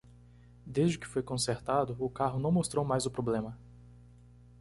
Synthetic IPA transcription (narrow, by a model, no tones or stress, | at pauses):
d̪ezd͡ʒɪkɪ̥fojkõseɾt̪ad̪ʊːkaɦʊnɐ̃w̃most̪ɾowmajzʊpɾoblẽmɐ